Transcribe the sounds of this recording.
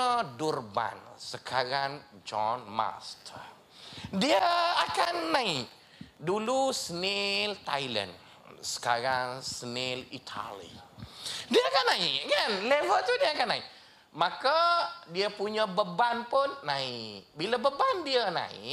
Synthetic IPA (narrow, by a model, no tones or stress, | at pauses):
ədurba̰nsəkʰaɾaŋd͡ʒɔnma̰st̪ | diəakanːãɪʔ | dulusnelt̪ajlə̰n | sə̥kaɾaŋsənelit̪ʰa̰lḭ | diəakanːaɪʔkanlevət̪udiəakanːãɪʔ | makadiəpuɲabəbanpʊnːaɪʔbilabəbandiəna̰ɪ̰